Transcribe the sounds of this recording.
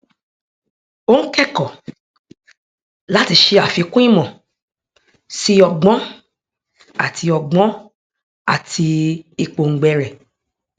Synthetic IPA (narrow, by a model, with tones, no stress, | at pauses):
o˦ŋ̩˦kɛ˦kɔ˨ | la˨˦ti˧ʃe˧a˨fi˨˧kũ˦ĩ˦mɔ̃˨ | si˧˦ɔ˧ɡ͡bɔ̃˨˦ | a˦˨tʰi˧ɔ˧ɡ͡bɔ̃˨˦ | a˦˨tʰi˧i˧k͡po˨ŋ̩˨ɡ͡bɛ˧ɾɛ˨